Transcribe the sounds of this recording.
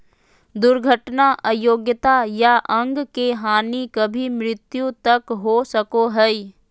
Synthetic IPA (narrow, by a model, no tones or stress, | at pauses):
d̪ʊɾɡʱəʈnaʔəjoːɡjət̪ajaʔɐ̃ŋɡkeɦaːnikɐbʱimɾɪt̪jũt̪ɐkɦosɐkoɦɛi